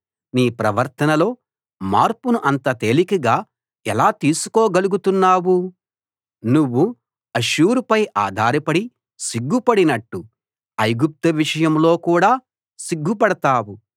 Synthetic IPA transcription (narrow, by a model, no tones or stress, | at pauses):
niːpɾɐʋɐɾt̪ɐnɐlo̞ː | ma̰ːɾpunuʔɐnt̪ɐt̪eːlikiɡaː | ɛlaːt̪iːsu̥koːɡɐluɡut̪unːaːwu | nuʋːu | ɐʃuːɾupɐjʔa̰ːd̪ʱaːɾɐpɐɽi | siɡːupɐɽinɐʈːu | ɐjɡup̚t̪ɐʋiʂɐjɐmlo̞ːkuːɽaː | siɡːupɐɽɐt̪aːwu